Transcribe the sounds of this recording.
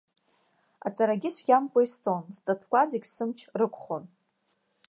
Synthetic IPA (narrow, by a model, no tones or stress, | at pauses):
a̰t͡sʼaɾaɡʲɪt͡ɕʷʰɡʲamkʷʼaist͡sʼonst͡sʼatʰkʷʼad͡zikʲʼsɨmt͡ʃʰrɨkʷʰʼχon